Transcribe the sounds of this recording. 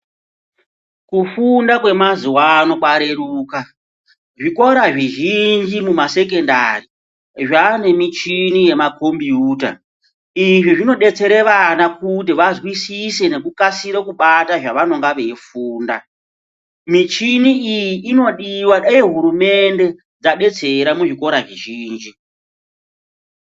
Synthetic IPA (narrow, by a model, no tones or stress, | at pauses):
kufundakwe̞mazuwano̞kwaɾe̞ɾuːka | ʐiko̞ɾaʐiʒind͡ʒimumase̞ke̞ndari | ʐane̞mit͡ʃinije̞makombiuːta̰ | iʐiʐino̞ɗe̞t͡se̞ɾe̞ʋanakut̬iʋazwisise̞ne̞k̬ukasiɾekuɓataʐaʋano̞ŋɡaʋe̞fuːnda̰ | mit͡ʃiniijiʔːno̞ɗiwaeɦuɾume̞nde̞ | d͡zaɗe̞t͡se̞ɾamuʐiko̞ɾaʐiʒiːnd͡ʒi